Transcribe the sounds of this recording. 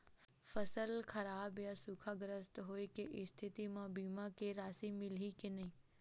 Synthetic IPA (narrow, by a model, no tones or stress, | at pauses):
fəsəlkʰɐɾaːbjasuːkʰaɡɾəst̪ɦoːekeʔɪst̪ʰɪt̪imãbiːmakeɾaːsimɪlikenɐɦĩː